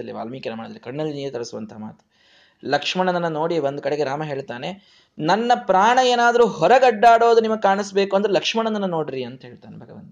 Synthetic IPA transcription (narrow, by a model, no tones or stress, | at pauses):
ɐlːiʋa̰ːlmiːkenɐmaːid̪ɐlikɐɳːɐlːiniːɾɐt̪ɐɽɐsuʋɐnt̪ɐɦama̰ːt̪u̥ | lɐkʂmɐɳɐnɐnːɐno̞ːɽiʋond̪ukɐɽeɡe̞ɾaːmɐɦe̞ːɭt̪aːne̞ | nɐnːɐpɾaːɳɐjeːnaːd̪ɐɾuːɦɔɾɐɡɐɖːaːɽo̞ːd̪unimɐɡkaːɳisbeːkuɐnd̪ɾelɐkʂmɐɳɐnɐnːɐno̞ːɽiɾiɐnt̪ɐɦe̞ːɭt̪aːnebʱɐɡɐʋɐ̰nt̪